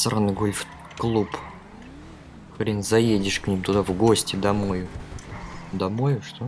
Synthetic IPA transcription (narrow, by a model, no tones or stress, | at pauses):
sɾanɨɡolʲf | klˠup | xɐɾʲenʲzɐjedʲɪʂknʲimt̪ʊd̪avɡo̞sʲtʲɪd̪ɐmojʊ | d̪ɐmojʊʂt̪o